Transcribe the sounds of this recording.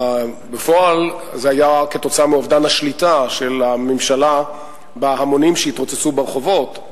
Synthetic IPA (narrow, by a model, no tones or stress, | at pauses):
befo̞al | zeajake̞t̪o̞t͡saameovdanhaʃlitaʃe̞lamemʃala | beɦamo̞nimʃeitʁot͡set͡subeʁeχo̞vo̞t̪